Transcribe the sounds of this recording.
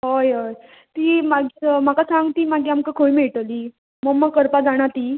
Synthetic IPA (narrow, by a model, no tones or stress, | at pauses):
ɦojɦoj | t̪iːmaɡim̤akasãŋɡt̪iːmaɡiːamkakʰoimiɭʈ̪əliː | məmːəkəɾpad͡zaɽ̃at̪iː